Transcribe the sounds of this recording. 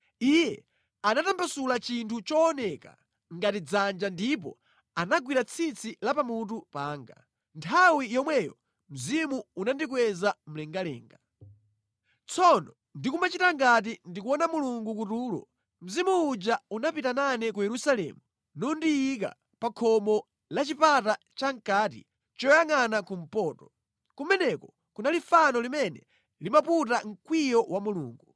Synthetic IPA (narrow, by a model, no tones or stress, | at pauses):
ijɛ | anatambasulat͡ʃintʰut͡ʃɔːnɛka̰ | ŋɡatid͡zand͡ʒandipɔ̰ | anaɡwiɾat͡sʰit͡sʰilapamut̬upaːŋɡa̰ | ntʰawijɔmwɛjɔ | m̩zimuːnandik̬wɛzam̩lɛŋɡalɛ̰ːŋɡa | t͡sʰɔnɔ | ndikumat͡ʃitaŋɡat̬indikuwɔnamuluŋɡukutuːlɔ̰ | m̩zimuːd͡ʒaunapitananɛkujɛɾusalɛ̰ːmu | nɔndiik̬a̰ | pakʰɔmɔ | lat͡ʃipata | t͡ʃaŋ̩kaːt̬ḭ | t͡ʃɔjaŋanakum̩pɔːtɔ̥ | kumɛnɛkɔ | kunalifanɔlimɛnɛ̰ | limaput̬aŋ̩kwijɔwamulṵːŋɡu